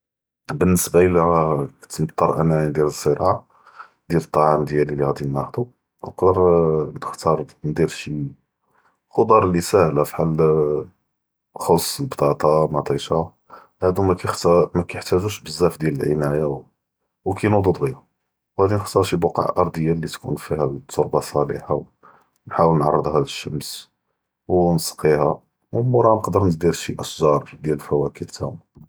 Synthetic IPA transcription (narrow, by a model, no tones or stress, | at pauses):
bənːəsbaʔəlikt̪mb̚t̪ˤːɑɾˤʔænæind̪æɾəz̥ːəɾɑʕa | d̪jælət̪ˤːɑʕamd̪jælilihæd̪inːæxd̪u | wqd̪əɾnəxt̪ɑɾˤnd̪iɾʃi | xod̪ˤɑɾˤlːisæhlæfi̥ħal | xosˤːəlbt̪ˤɑt̪ˤɑmɑt̪ˤɑʃa | hæd̪umækæt̪mækæjəħt̪æʒuʃbəzːæfd̪jæləlʕənæja | wkʰæjnud̪ud̪ɣija | whæd̪inxt̪ɑɾˤʃibɑqɑ̰ʕʔɑɾˤd̪əjːalːit̪kṵnfihæt̪ʰːoɾbɑsˤɑlḭħaw | nħawəlnʕɑrˤːəd̪ˤɦæd̪əʃːəms | wnsqihæ | wmuɾˤɑnəqd̪əɾnəd̪iɾʃiʔəsʒɑɾˤd̪jæləlfæwækəlt̪ʰæm